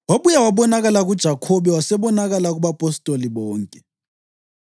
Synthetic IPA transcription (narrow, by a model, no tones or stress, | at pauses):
waɓujawaɓɔnaɣalaɣud̥ʒ̥ʱakʰɔɓɛwasɛɓɔnaɣalaɣuɓapʼɔstʼoliɓɔːŋkʼɛ